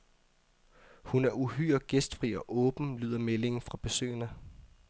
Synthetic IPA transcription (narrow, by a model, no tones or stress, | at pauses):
hunæɐuɦyːɐɡ̥esd̥fʁiɒ̽ʔɔːb̥n̩ly̰ːðˠɐmele̝ŋ̩fʁɑ̈b̥e̝sø̰ːɐnə